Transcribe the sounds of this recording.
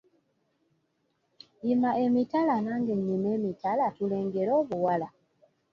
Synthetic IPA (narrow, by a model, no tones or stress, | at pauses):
imae̞mitalanaːŋɡeɲːimeːmitalatule̞ːŋɡe̞ɾo̞ːβuwala